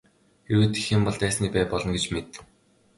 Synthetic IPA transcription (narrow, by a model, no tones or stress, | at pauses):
eɾuːt̪i̥xĕmpɔɮt̪æːsniːpæːpɔɮɞ̆nɡet͡ɕmet̪ːɘ̆w